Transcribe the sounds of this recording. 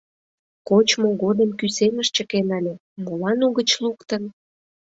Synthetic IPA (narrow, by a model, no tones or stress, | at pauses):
kot͡ɕmoɣod̪əmkyseməʃt͡ɕəkenɑlʲe | molɑnuɣət͡ɕlukt̪ən